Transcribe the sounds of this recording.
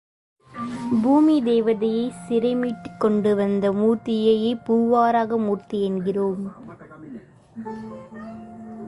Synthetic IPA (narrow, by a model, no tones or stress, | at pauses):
buːmid̪eːʋɐðɐjɐɪsɪɾɐɪmiːʈːɯkːɔɳɖɯʋɐnd̪ɐmuːrt̪ːɪjɐjeːpuːʋaːɾaːɣɐmuːrt̪iɛnɡɪroːm